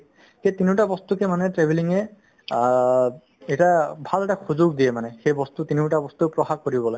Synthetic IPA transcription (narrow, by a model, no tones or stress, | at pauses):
ketiniʊtabɔst̪ukɛmanɛtɹɛbʱiliŋɛ | ɛtabʱalɛtaxuzʊɡ̚diɛmanɛxejbɔst̪utiniʊtabɔst̪upɹɔxaɡ̚koɹibɔlɔj